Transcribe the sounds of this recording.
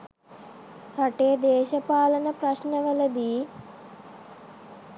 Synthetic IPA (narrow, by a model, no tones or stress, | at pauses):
ɾɐʈeːd̪eːʃɐpaːlɐnəprɐɕnəʋələd̪iː